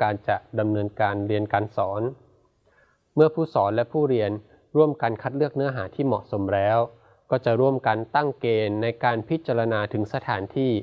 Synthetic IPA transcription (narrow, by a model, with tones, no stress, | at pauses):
kaː˧nt͡ɕa˨˩ʔda˧mnɤː˧nkaː˧nɾi˧ənkaː˧nsɔː˩˦n | mɯ˥˩əpʰuː˥˩sɔː˩˦nlɛ˦˥pʰuː˥˩ɾi˧ən | ɾu˥˩əmka˧nkʰa˦˥t̪̚lɯ˥˩ək̚nɯ˦˥ɐɦaː˩˦t̪ʰiː˥˩mɔ̰˨˩so˩˦mɾɛː˦˥w | kɔː˥˩t͡ɕa˨˩ʔɾu˥˩əmka˧nt̪a˥˩ŋkeː˧nːa˧jkaː˧npʰi˦˥t̪̚t͡ɕaː˧ɾa˧naː˧t̪ʰɯ˩˦ŋsa˧t̪ʰaː˩˦nt̪ʰiː˥˩